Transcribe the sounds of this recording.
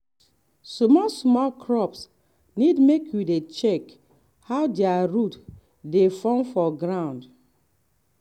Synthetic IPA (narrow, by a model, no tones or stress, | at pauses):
sɔmɔsmɔlkʰɹɔps | nidmekʰjudet͡ʃɛk | hawdeaɹut | defɔ̃mfɔɡɹãʊ̃nd